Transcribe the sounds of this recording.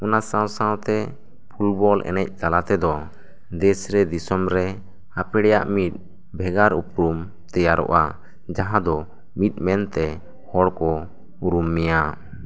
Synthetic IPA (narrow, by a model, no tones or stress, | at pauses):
ɔnasãwsãwt̪ɛ | pʰulbɔlʔɛ̰nɛc̚k̪alat̪ɛd̪ɔ | d̪ɛsɾɛd̪isɔmɾɛ | apɛɽɛja̰ʔmit̪̚ | bʱɛɡaɾupɾum | t̪ɛjaɾʔɔ̰ʔa | d͡ʒaɦãd̪ɔ | mit̪̚mɛnt̪ɛ | hɔɽkɔ | uɾumːɛja